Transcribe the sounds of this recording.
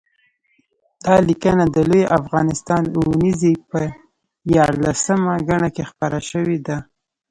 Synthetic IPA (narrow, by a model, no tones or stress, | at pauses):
d̪̥ɑlikənad̪əlojʔafɣɑnɪst̪ɑnuwnizipə | jɑɾlasəmaɡaɳakexpaɾaʃəwed̪a